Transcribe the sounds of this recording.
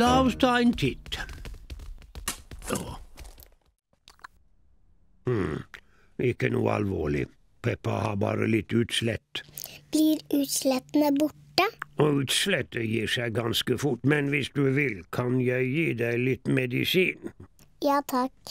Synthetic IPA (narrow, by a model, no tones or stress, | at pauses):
lɑʋst̪ɑːɪnt̪ʰɪt̪ | oː | mm̩ | ʔɪkːənṵːəɑ̰lʋoːɭɪ̰ | pʰɛpːɑ̰hɑːbɑ̰ːɾə̰lɪt̪ːʉːt̪slɛt̪ːb̥liːɾʉːt̪slɛt̪n̩əbʊʈəoːʉːt̪slɛt̪ːəjiːsæɪɡɑnskəfʊʈmɛnʋɪsd̪ʉːʋɪlkʰɑnjæɪjiːd̪æɪlɪt̪mɛd̪ɪsiːn | jɑːt̪ʰɑk